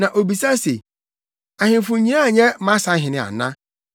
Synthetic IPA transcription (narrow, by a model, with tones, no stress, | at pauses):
nã˨ʔo˨bi˨sa˦sḛ˨ | a˨ɦɪ̃˨˦fʊ̃˨ɲĩ˦a˦˨ɲɛ˦mã˦sa˨˦ɦɪ̃˨nɪ̃˨a̰˨nã˦